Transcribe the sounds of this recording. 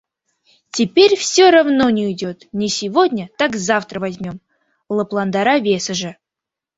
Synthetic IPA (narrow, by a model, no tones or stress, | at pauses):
tʲɪpʲeɾʲfsʲoɾavnonʲɪidʲot̪nʲɪsʲɪvodʲnʲət̪akzaft̪ɾəvazʲmʲo̞m | lˠəplˠand̪aɾavʲe̞səʐɨ